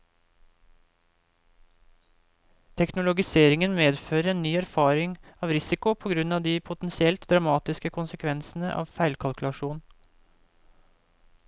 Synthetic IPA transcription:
t̪ʰɛknʊlʊɡɪseːɾɪŋənmeːd̪føːɾəɾeːnːyːæɾfɑːɾɪŋɑːʋɾɪsɪkʊpʰoːɡɾʉnɑːʋd̪iːpʰʊt̪ɛnsɪɛlt̪d̪ɾɑmɑːt̪ɪskəkʰʊnsəkʰʋɛnsn̩əʔɑ̰ːʋfæɪlkʰɑlkʉlɑʃuːnn

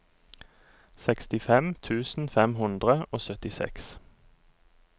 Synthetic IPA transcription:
sɛkst̪ɪfɛmt̪ʰʉːsn̩fɛmhʊnd̪ʁəoːsœt̪ɪsɛ̰ks

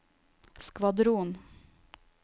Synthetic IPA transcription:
skʋɑd̪ɾuːn

